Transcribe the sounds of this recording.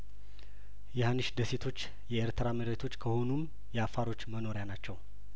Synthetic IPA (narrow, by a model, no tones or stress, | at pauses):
jɛhanːɨʃd̪əset̪ʰo̞t͡ʃː | jɛeɾt̪ʰəɾaməɾet̪ʰo̞t͡ʃːkʰəhonum | jɛafaɾo̞t͡ʃːməno̞ɾejanat͡ʃːɛw